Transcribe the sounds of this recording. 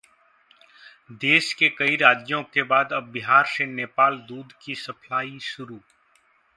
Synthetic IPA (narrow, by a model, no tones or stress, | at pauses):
d̪eːʃkekɐiɾaːd͡ʒjõkebaːd̪ɐbɪɦaːɾseneːpaːld̪uːd̪kisɐpʰlaːiʃʊɾuː